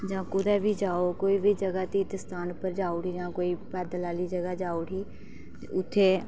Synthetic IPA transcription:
d͡ʒãːkʊd̪aːbʱiːd͡ʒaːokoːiːbʱiːd͡ʒəɡaːt̪iːd̪əst̪aːnpəɾd͡ʒaːuɽiːd͡ʒãːkoːiːpɛːd̪əlaːliːd͡ʒəɡad͡ʒaːʊɽiː | ʊt̪ʰːeː

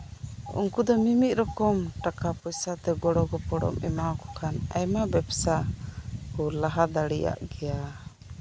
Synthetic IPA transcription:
ṵŋkud̪ɔmimit̪̚ˀɾɔkɔmʈakapɔjsat̪ɛɡɔɽɔɡɔpɔɽɔ̰mɛ̰maɔkɔ̥kʰanajmabɛbsa | kɔlaɦad̪aɽɛja̰ʔɡɛja

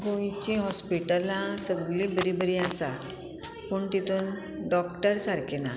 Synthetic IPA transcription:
ɡʱoit͡ɕĩɦɔspiʈəlãsəɡlibəɾibəɾiasa | puːɳt̪it̪uːn | ɖɔkʈəɾsaɾkʰena

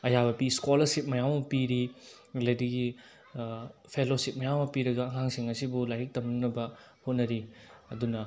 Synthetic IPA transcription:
ɐjabɐpiskolɐɾsip̚mɐjawmɐpiɾi | lediɡi | pʰelosip̚mɐjawmɐpiɾɐɡɐːŋaŋsiŋɐsibulajɾik̚tɐmnuŋnɐbɐ | hot̚nɐɾiɐdunɐ

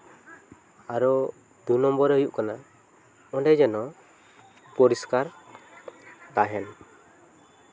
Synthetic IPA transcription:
aɾɔ | d̪unɔmbɔɾəjuʔkana | ɔnɖɛd͡ʒɛnɔ | pɔɾiskaɾ | t̪aɦɛn

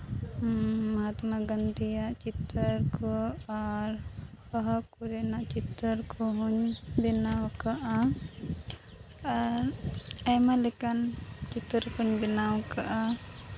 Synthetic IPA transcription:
mɐɦat̪maɡənd̪ijaʔt͡ʃit̪ɾəɾkɔaɾpɔɦakuɾɛnaʔt͡ʃit̪ɾəɾkɔɦuɲbinawkaʔa | aɾajmalɛkant͡ʃit̪əɾkuɲbinawkaʔa

